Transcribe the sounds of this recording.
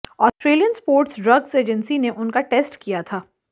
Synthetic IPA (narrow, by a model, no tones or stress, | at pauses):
ɔːsʈɾeːlijənspoːɾʈsɖɾɐɡseːd͡ʒə̃nsineʔʊnkaʈeːsʈkijat̪ʰaː